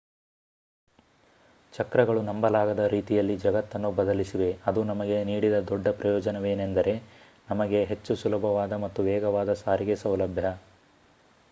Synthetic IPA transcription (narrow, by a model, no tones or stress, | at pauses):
t͡ʃɐkɾɐɡɐɭunɐmbɐlaːɡɐd̪ɐɾiːt̪ijɐlːid͡ʒɐɡɐt̪ːɐnːubɐd̪ɐlisiʋe̞ɐd̪unɐmɐɡe̞niːɽid̪ɐd̪ɔɖːɐpɾɐjɔːd͡ʒɐneʋe̞ːnend̪ɐɾe̞ | nɐmɐɡe̞ɦe̞t͡ʃːusulɐbʱɐʋaːd̪ɐmɐt̪ːuʋɛːɡɐʋaːd̪ɐsaːɾiɡe̞sɐwlɐbʱjɐ